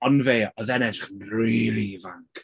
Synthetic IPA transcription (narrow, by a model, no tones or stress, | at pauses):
ɔnveːɔðɛnɛdrɪχnriːlˠivaŋkʰ